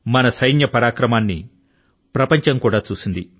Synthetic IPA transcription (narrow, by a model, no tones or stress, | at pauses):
mɐnɐsɐjnjɐpɐɾaːkɾɐmaːnːḭ | pɾɐpɐɲt͡ʃɐŋkuːɽaːt͡ʃuːsind̪i